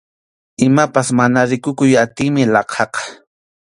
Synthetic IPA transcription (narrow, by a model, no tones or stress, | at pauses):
ɪmapasmanaɾɪkʊkʊjat̪ɪːmɪlɑqʰɑqɑ̥